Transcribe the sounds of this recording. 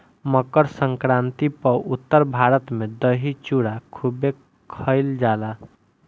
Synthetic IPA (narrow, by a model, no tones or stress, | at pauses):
məkəɾsə̃ŋkɾãnt̪ipəut̪ːəɾbʱaɾət̪med̪əɦit͡ʃuɽakʰube | kʰəɪld͡ʒala